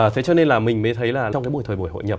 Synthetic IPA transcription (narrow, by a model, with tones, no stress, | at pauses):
əː˨˩t̪ʰe˨˦t͡ɕɔ˧ne˧nlaː˨˩mï˨˩ŋ̟məː˨˦jt̪ʰə˨˦jlaː˨˩˧ɔ˧wŋ͡mkːa˨˦ɓjt̪ʰə˨˩ɓu˧˩jho̰˧˨jɲə˨˩p